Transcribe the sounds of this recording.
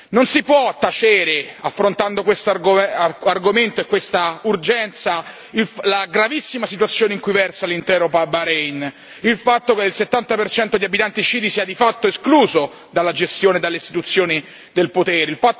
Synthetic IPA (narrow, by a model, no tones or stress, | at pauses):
nonsipwɔt̪ːat͡ʃeːɾeafːɾont̪and̪okwest̪ɡarɡoment̪oekːwest̪aurd͡ʒɛnt̪sa | illaɡɾavisːimasit̪uwat̪sːjoːneiŋkujvɛrsalint̪ɛːɾopabaɾɛjn | ilfat̪ːokelset̪ːant̪apert͡ʃɛnt̪od̪iabit̪ant̪it͡ʃiːd̪isiːad̪ifat̪ːoeskluːzo | d̪alːad͡ʒest̪joːned̪alːeist̪it̪ut̪sːjoːni | d̪elpot̪ɛːɾeilfat̪ː